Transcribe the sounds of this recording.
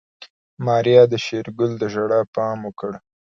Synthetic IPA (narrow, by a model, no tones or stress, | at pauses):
mɑɾjɑd̪əʃeɾɡʊld̪əʒaɽapɑmʊkəɽ